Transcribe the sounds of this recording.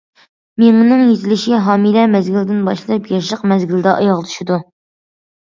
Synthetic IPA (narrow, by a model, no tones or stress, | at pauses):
meŋnɨŋjezɪlɪʃɦɑːmilɛmɛzɡʲilɪd̪ɪnbɑʃllˠɑpjɑʃ̬əqmɛzɡʲild̪ɛʔɑ̰jɑʁlˠt̪ʰu̥ʃid̪u